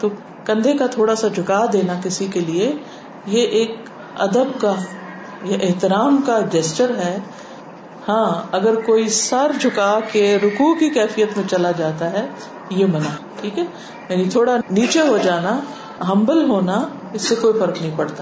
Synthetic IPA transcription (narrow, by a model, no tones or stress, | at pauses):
t̪oː | kɐ̃nd̪ʱekat̪ʰoːɽasad͡ʒʱʊkaːd̪eːnakɪsikelie | jeʔeːk | ɐ̰d̪əbka | jeʔɪɦt̪ɪɾaːmkad͡ʒɛst͡ʃəɾɦɛː | hãːɐɡəɾkoːisɐɾd͡ʒʱʊkakeɾʊkukikɛːfijət̪mẽt͡ʃɐlad͡ʒaːt̪aɦɛ | jemɐnaʈʰiːkɦɛː | jaːnit̪ʰoːɽaniːt͡ʃeɦod͡ʒaːna | ɦɐ̃mbəlɦoːna | ɪsːekoːifɐɾknəɦĩpɐɽt̪a